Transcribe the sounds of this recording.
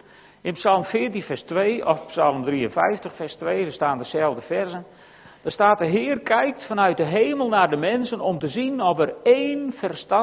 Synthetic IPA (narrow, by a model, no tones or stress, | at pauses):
ɪnpsɑlˠmfɪːətinfɛrstʋeːɔfpsalˠmdriənfɛjftəxfɛrstʋeːdastaːndəsɛlˠvdəfɛrzən | d̥ɔstaːt̚dəɦɪːərkʰɛjk̚tfanœɥt̚dəɦeːməlˠnardəmɛnsənɔmtəzinɔfəreːnfɛrstɑ